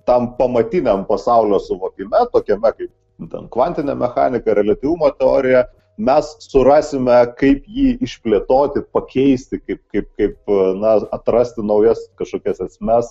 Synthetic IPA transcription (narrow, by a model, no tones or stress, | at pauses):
t̪ɐmpɐmɐt̪ʲinʲɛmpɐsɑʊlʲoːsʊʋoːkʲɪmʲɛt̪oːkʲɛmʲɛkɐɪp̚ | t̪ʲɛ̰nkʋɐnʲt̪ʲɪnʲɛmʲɛxɑ̰ːnʲɪkɐɾʲɛlʲɐt̪ʲiʋumoːt̪ʲɛoːɾʲɪjɛ | mʲɛssʊɾɑːsʲɪmʲɛkɐɪpjiːɪʃʲpʲlʲeːt̪oːt̪ʲɪpɐkʲɛɪsʲt̪ʲɪkɐɪp̚kɐɪp̚kɐɪp̚nɐɐt̪ɾɐsʲt̪ʲɪnɐʊjɛskɐʃkoːkʲɛsɛsʲmʲɛs